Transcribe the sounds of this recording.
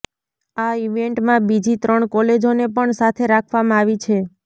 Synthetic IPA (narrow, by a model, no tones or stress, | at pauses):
aiʋeɳʈmãbid͡ʒit̪ɾəɳkɔled͡ʒonepəɳsat̪ʰeɾakʰʋamãaʋit͡ʃʰe